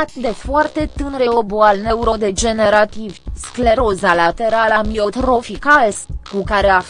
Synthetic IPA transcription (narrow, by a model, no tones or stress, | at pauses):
t̪d̪e̞foart̪e̞t̪ɨnɾeoboalneuɾod̪e̞d͡ʒe̞neɾat̪ivʲskle̞ɾozalat̪e̞ɾalamiot̪ɾo̞fikaeskukaɾea